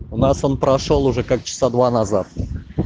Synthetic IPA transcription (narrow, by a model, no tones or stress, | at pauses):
ʊnaso̞npɾɐʂolˠʊʐɛkak̚t͡ɕɪ̥sad̪vanɐzat̪̚